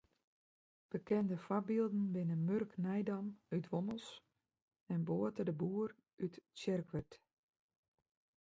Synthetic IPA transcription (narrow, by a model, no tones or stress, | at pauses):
b̥əkɛndəfabilˠdn̩bɪnəmørknɛjdamytʋoməlˠs | ɛnboətədəbuːər | ytsɛrkʋərt